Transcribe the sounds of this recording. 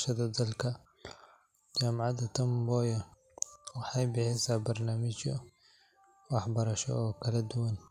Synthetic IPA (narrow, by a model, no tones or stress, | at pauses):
ʃɐd̪ɐd̪ɐlkʰɐ | t͡ʃaːmʕɑd̪ɐt̪ʰɐmbɔːjɐ | wɑħɑjbɪħɪsaːbɐrnaːmɪt͡ʃɔ | wɑħbɐɾɐʃɔ̰ɔːkʰɐlɐd̪ʊwɐn